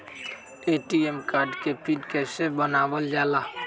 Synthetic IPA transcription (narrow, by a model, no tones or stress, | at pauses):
eːʈiemkaːɾɖkepʰɪnkɛːsebənaːʋəld͡ʒaːlaː